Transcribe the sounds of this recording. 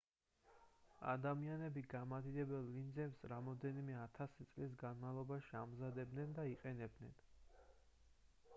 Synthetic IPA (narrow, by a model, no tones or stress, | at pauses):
a̰d̪amianɛbiɡamad̪id̪ɛbɛlˠvind̪zɛpsɾamɔd̪ɛnimɛat̪ʰasit̪sʼlis̬ɡanmalˠɔbaʃiamzad̪ɛb̚d̪nɛnd̪aiqʼɛnɛb̚d̪nɛn